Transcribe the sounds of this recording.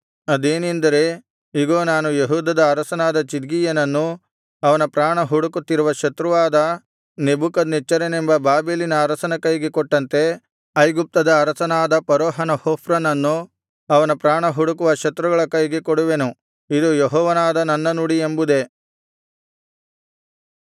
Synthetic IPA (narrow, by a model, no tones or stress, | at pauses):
ɐd̪eːnind̪ɐɾe̞ | iɡo̞ːnaːnujeɦuːd̪ɐd̪ɐːɾɐsɐnaːd̪ɐt͡ʃid̪ɡijɐnɐnːu | ɐʋɐnɐpɾaːɳɐɦuɽukut̪ːiɾuʋɐʃɐt̪ɾuʋaːd̪ɐ | nebukɐd̪net͡ʃːɐɾenembɐbaːbeːlinɐːɾɐsɐnɐkɐjɡekɔʈːɐnt̪e̞ | ɐjɡup̚t̪ɐd̪ɐːɾɐsɐnaːd̪ɐpɐɾoːɦɐnɐhoːfɾɐnɐnːu | ɐʋɐnɐpɾaːɳɐɦuɽukuʋɐʃɐt̪ɾuɡɐɭɐkɐjɡekoɽuʋe̞nu | id̪ujeɦɔːʋɐnaːd̪ɐnɐnːɐnuɽiembud̪e̞